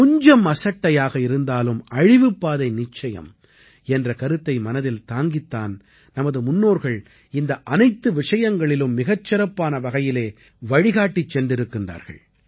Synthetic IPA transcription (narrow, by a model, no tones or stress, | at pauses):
kʊɲd͡ʒɐmɐsɐʈːɐjaːɣɐɪɾɯnd̪aːlɯmɐɻɪʋɯpːaːðɐɪnɪt͡ʃːɐjɐ̰m | ɛndrɐkɐɾɯt̪ːɐɪmɐnɐðɪlt̪aːŋɡɪt̪ːaːn | nɐmɐðɯmʊnːoːɾɣɐɭ | ɪnd̪ɐʔɐnɐɪt̪ːɯʋɪʂɐjɐŋɡɐɭɪlɯmːɪɣɐt͡ʃːɪɾɐpːaːnɐʋɐɣɐjɪleː | ʋɐɻɪɣaːʈːit͡ʃːɛndɪɾɯkːɪndra̰ːɾɣɐ̰ɭ